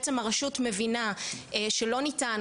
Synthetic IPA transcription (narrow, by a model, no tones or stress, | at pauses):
t͡semaʁaʃutme̞vinaeʃelo̞nitan